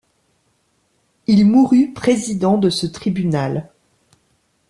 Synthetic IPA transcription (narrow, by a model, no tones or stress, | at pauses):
ilmuʁypχezid̪ɑ̃d̪əsət̪χibynal